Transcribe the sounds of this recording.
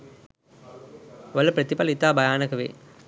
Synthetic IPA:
ʋɐlːɐpɾɐt̪ːipɐlit̪aːbɐjaːnɐkɐʋḛː

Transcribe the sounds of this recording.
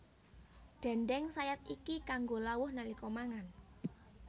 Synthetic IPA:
ɖ̥ɛ̤nɖɛŋsajat̪̚ikikaŋɡolawʊhnalikɔmaŋan

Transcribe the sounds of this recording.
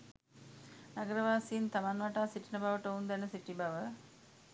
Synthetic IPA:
naɡəɾəʋaːsiːnt̪amanʋaʈaːsiʈinəbaʋəʈəund̪ɛnəsiʈibaʋə

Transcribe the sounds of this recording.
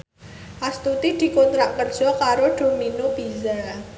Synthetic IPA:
ʔast̪ut̪id̪̥i̤kont̪ɾaʔkərd̥ʒ̥ɔ̤kaɾoɖ̥o̤minobiza

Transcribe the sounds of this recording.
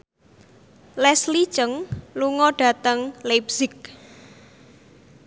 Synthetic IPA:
lɛsli̥t͡ʃəŋluŋɔɖ̥ä̤t̪əŋlepsɪk̚

